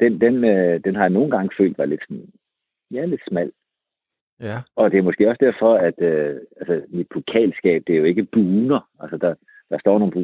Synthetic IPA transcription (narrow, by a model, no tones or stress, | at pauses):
d̥end̥enød̥enɦɑ̈jɑ̈no̝ːn̩ɡ̥ɑ̈ŋəfø̰ːld̥ʋɑle̝d̥sɒ̽n | jæle̝d̥smæl̰ | ɒ̽d̥e̝æmɒ̽sɡ̥e̝̰ːɒ̽sd̥æɐ̰fɒ̽æd̥øælsəmid̥̚pʰo̝kʰɛ̰ːlsɡ̥ɛ̰ːb̥̚d̥e̝ɐjo̝e̝ɡ̥əb̥uːnɐælsəd̥ɑ̈ | d̥ɑ̈sd̥ɒ̰ːno̝ːnu